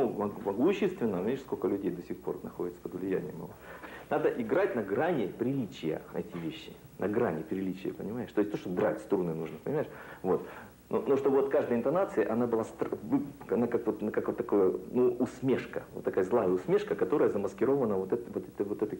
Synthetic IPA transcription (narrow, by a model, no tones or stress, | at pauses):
numɐmɐɡuɕːɪst̪vʲɪnːəeɪʂskokəlʲʉdʲejd̪osʲɪxpo̞rnɐxodʲɪt̪sə̥pəd̪vlʲɪjæ̰nʲɪjəmɐ̰vonad̪əʔɪɡɾatʲnɐɡɾanʲɪpɾʲɪlʲit͡ɕɪjə̰ɛ̰tʲɪvʲeɕːɪ | nʔɐɡɾanʲɪpɾʲɪlʲit͡ɕɪjə̰pənʲɪmaɪʂt̪osʲt̪ʲoʂt̪oɡ̪ɾa̰tʲst̪ɾunɨnuʐnəpənʲɪmaɪʂvo̞t̪ | no̰noʂt̪obvot̪kaʐd̪əjəɪnt̪ɐnat̪sɨɪʔɐnabɨlˠast̪ɾvɨɐnakakvot̪nkakvot̪ːɐko̞jənuʔːsmʲeʂkəvot̪ːɐkajəzlˠajəʊsmʲe̞ʂkəkɐt̪o̞ɾəjəzəməskʲɪɾo̞vənəvo̞t̪ɛt̪vot̪ɛt̪əvot̪ɛt̪ə